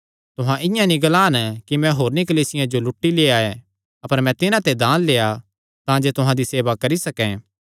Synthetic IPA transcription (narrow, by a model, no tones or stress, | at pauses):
t̪ʊɦãʔɪ̃jãnĩɡɐlaːnkimɛ̃ɦoːɾnikɐliːsɪjãd͡ʒolʊʈːileːae | ɐpəɾmɛ̃t̪ɪnãt̪ed̪ãːnleːa | t̪ãːd͡ʒet̪ʊɦãd̪iseːʋakɐɾisɐkɛ̃ː